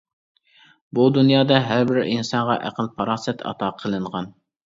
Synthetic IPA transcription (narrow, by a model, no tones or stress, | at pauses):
bud̪unjɑːd̪ɑɦæɾbɪɾinsɑɴʁɑʔæ̰qʰəlˠpʰɑɾɑːsɛt̪ɑ̰t̪ʰɑːqʰəlˠɨɴʁɑn